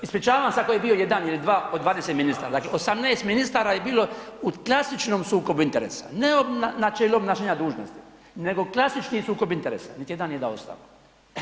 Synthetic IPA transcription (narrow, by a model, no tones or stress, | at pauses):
ispɾit͡ʃaːʋansakojebiːo̞jed̪anilid̪ʋaːod̪ʋaːd̪eset̪minist̪aːɾad̪aːklḛosamneːst̪minist̪aːɾaːjebiːlo̞ | uklˠasit͡ʃnomsuːkobuint̪eɾḛːsḁneobanat͡ʃelobnaʃeːɲad̪uːʒnost̪i̥ | ne̞ɡo̞klˠasit͡ʃnisuːko̞bint̪eɾeːsḁnit̪ijed̪anjed̪a̰o̰st̪a̰lo